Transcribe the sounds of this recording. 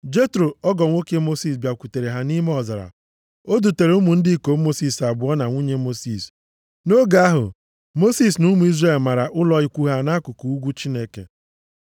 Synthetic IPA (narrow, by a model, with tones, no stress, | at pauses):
d͡ʒe˦tɾo˨ɔ˦ɡɔ˨ŋʷo˦ke˦mo˦si˨s̬bja˨kʷu˨te˨ɾe˨ɦa˦ni˦me˦ɔ˨za˨ɾa̰˨ | o˦du˨te˨ɾe˨˦u˦mu˨n̩˦dɪ˦ko˨˦mo˦si˦˨sa˨bʊ˨˦ɔ˦na˨ŋʷu˦ɲe˦mo˦si˨s | no˦ɡa˦a˦ɦʊ̰˨ | mo˦si˦snu˦mu˨˦i˦zre˦˨lma˨ɾa˨ʔʊ˦lɔ˦ɪ˦kʷu˦ɦa˨na˦kʊ˨ku˨u˦ɡʷu˦t͡ʃi˦ne˦kḛ˨